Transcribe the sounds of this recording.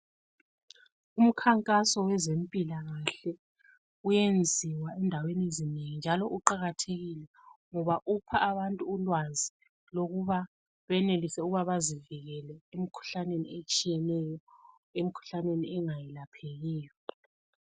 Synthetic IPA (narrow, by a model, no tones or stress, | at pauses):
um̩kʰaŋkʼasɔwɛzempʼilaɣaɬɛ | ujend͡zʱiwaɛndʱawenezineŋind͡ʒʱalɔʔuǃaɣatʰeɣilɛ | ŋɔβaʔupʰaʔːβantʼuulwazi | loɣuβa | βɛnelisɛuɣuβaβaziviɣɛlɛemikʰu̥ɬaneniet͡ʃʼijɛnɛjɔ | emikʰu̥ɬaneniɛŋajɛlapʰɛɣɛːjɔ